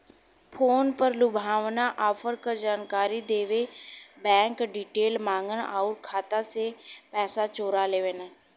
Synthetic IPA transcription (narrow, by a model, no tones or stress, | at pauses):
pʰoːnpəɾlʊbʱaːʋnaʔaːfʰəɾkəɾd͡ʒaːnkaːɾid̪eːʋebɛ̃ːŋkɖiːʈeːlmãːŋɡəna̰ʊɾkʰaːt̪asepɛːsat͡ʃoːɾaleːʋeːna